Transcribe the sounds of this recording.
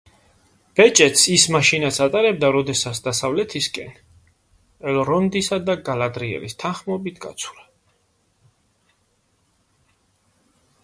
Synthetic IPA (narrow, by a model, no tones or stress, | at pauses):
b̥ɛt͡ʃʼɛt̪sismaʃinasʰat̪ʼaɾɛb̚d̪aɾɔd̪ɛsat̪sʰd̪asavlɛt̪ʰiskʼɛ̰n | ɛlɔɾɔnd̪isad̪aɡalad̪ɾiɛ̰lḭst̪ʰanχmɔbit̪ʰɡa̰t̪sʰu̥ɾa